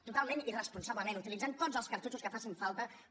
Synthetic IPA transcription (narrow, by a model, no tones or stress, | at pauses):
t̪ut̪alˠmẽnirəspunsaβləmẽnut̪ilid͡zant̪otzəlˠskəɾt̪ut͡ʃuskəfasiɱfalˠt̪ə